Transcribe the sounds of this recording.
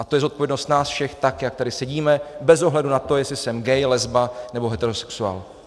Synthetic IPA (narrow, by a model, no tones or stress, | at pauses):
ʔat̪o̞jɛzot̪̚povjɛdno̞st̪naːsfʃɛxt̪akjak̚t̪adɪsɛɟiːmɛbɛzo̞ɦlɛdunat̪o̞jɛslɪsɛmɡɛjlɛzbanɛbo̞ɦɛt̪ɛɾosɛ̥ksua̰ːl